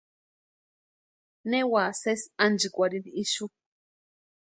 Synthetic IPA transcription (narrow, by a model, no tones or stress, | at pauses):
newasesand͡ʒikʷaɾiniiʃu